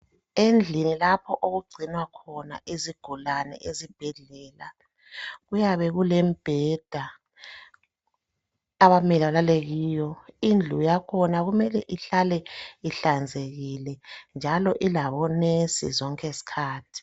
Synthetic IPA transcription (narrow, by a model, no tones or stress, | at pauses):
end͡ɮʱinilapʰɔʔoɣuɡ͡ǀʱinwakʰɔna̰ʔiziɡ̥ʱulanɛ̰ʔezib̥ʱɛɮɛːla̰ | ɣujaβɛɣulɛmb̥ʱɛd̥ʱa | aβamɛliβalaleɣiːjɔind͡ɮʱujakʰɔnaɣumɛlɛʔiɬalɛiɬand͡zʱeɣilɛnd͡ʒʱalɔʔilaβɔnesḭzɔŋkʼesi̥kʰaːtʰi̥